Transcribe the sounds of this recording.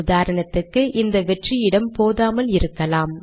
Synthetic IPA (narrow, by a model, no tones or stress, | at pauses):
ðaːɾɐɳɐt̪ːɯkːɯʔɪnd̪ɐʋɛʈrijɪɽɐmpoːðaːmɐlɪɾɯkːɐlaːm